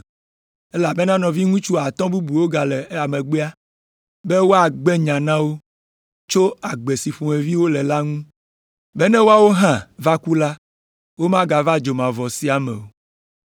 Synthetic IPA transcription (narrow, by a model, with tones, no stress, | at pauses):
ɛ˦la˨bɛ˦nã˦nɔ̃˨vi˦ŋũ˦t͡ʃu˦a˨t̪ɔ̃˦bu˦bu˨wo˦ɡa˨lɛ˨˦a˨mẽ˨ɡ͡be˦a˦ | bɛ˦wo˦a˨ɡ͡bɛ˦ɲã˨nã˦wo˦ | t͡ʃo˦a˨ɡ͡be˨si˨ɸũ˨e˨vi˦wo˦lɛ˨la˦ŋũ˦ | bɛ˦nɛ̃˦wo˦a˦wo˦ɦã˦va˦ku˦la˦ | wo˦mã˦ɡa˨va˦d͡ʒo˨mã˨vɔ˨si˨a˨mɛ̰̃˨wo˨